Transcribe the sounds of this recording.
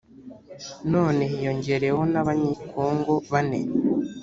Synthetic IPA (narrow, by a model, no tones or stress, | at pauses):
no̞ːne̞ijo̞ɲɟe̞ɾe̞ho̞naβaɲikʰoːŋɡoβanḛn